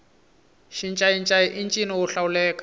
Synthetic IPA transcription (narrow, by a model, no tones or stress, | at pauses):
ʃint͡ʃʼaint͡ʃʼaiʔint͡ʃʼiniwʊɬaulɛːkʼḁ